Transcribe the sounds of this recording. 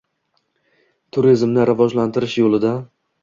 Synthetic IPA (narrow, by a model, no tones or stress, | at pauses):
t̪ʰʊɾizmnɪɾɪvɒʒlant̪ʰɪɾɪʃjolɪd̪a